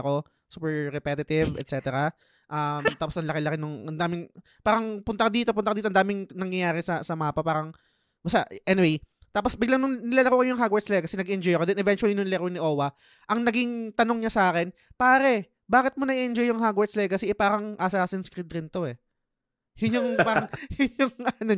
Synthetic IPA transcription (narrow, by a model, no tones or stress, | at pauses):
ɐko̞ | suːpɛɹɾɛpɛt̪ɪt̪ɪvɛ̰t̪̚sɛːt̪ɛɾɐ | ʔamt̪aːposɐŋlɐkɪlɐkɪnʊŋʔɐnd̪aːmɪŋ | paːɾɐŋpʊnt̪ɐkod̪iːt̪opʊnɐkod̪iːt̪oʔnd̪aːmɪŋnɐŋjɐjaːɾɪsɐsɐmaːpɐpaːɾɐŋ | bɐst̪aʔʔɛnɪwej | t̪aːposbɪɡlaŋnʊŋnɪlaːlɐkoːkɐjʊŋɦaɡwɐɹslɛɐkɐsɛnɐɡɪʔɛnd͡ʒojɐkod̪ɛnʔɛvɛnt͡ʃwɐlinʊŋlɛkonɪʔoːwɐ | ʔɐŋnɐɡɪŋt̪ɐnoŋɲɐsaːkɛnpaːɾɛ | baːkɪt̪̚monɐʔiʔɛnd͡ʒojːʊŋɦaɡwɐɹslɛɡkɐsɛʔɛpaːɾɐŋʔasaːsɪnskɾɪd̪ɾɪnt̪o̞ʔɛ | jʊnɲʊŋpaːɾɐŋjʊnjʊŋɐno